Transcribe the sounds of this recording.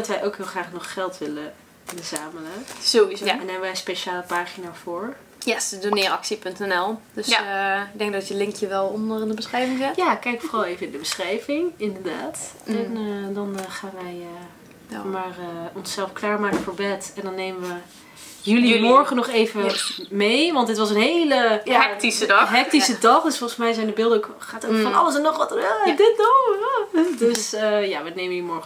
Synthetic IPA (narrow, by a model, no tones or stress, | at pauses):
dɑtʋɛjʔowkɦɪːlˠχraːχnɔχχɛlˠtʋɪlə | bəzaːmələzowizɛndɔnɦɛbəʋɛjənspeʃaːləpaːχinaːvʊːɹ | jɛdonɪːrɑksipɵntɛnɛlˠdøsɪɡ̚dɛŋɡ̚dɑtjəlɪŋkjəʋɛlˠɔndərndəbəsχrɛjvɪŋɛjaːkɛjkfɔrɑlˠejvənɪndəbəsχrɛjvɪŋɪndəɹdaːt | ɛndɑnχaːnʋɛjə | maːrəɔnsɛlˠfklaːɹmaːkfɔːɹbɛtɛndɔnːejməʋə | jəlimɔɹχənɔχejvəmejʋɑntdɪtʋɑsənɦejləɛtisədɦɛk̚tisədɑχdøsfɔlˠəsmɛjzɛjndəbɪlˠdəok | χaːtokfɔnɑ̰ləsɛnɔχʋɑtəadɪt̚nowadøsəjaːʋənejməjmɔɹ